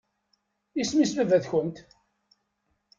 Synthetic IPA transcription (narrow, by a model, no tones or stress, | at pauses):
ismisvævæðçənt̪